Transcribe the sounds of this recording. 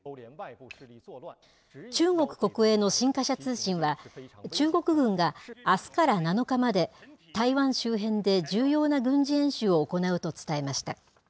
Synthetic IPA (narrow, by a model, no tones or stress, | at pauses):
t͡ɕɨːŋo̞kɯ̟̥ko̞kɯ̟e̞ːno̞ɕĩŋkaɕat͡sɨːɕĩɰ̃βat͡ɕɨːɡo̞kɯ̟ɡɯ̟̃ŋɡaːsɨ̥kaɾanano̞kamad̪e̞t̪aiβãɰ̃ɕɨːɦẽ̞nd̪e̞d͡ʑɨːjo̞ːnaɡɯ̟̃ɲ̟d͡ʑiẽ̞ɰ̃ɕɨːoːko̞naɯ̟t̪o̞t͡sɨ̥t̪ae̞maɕi̥t̪a̰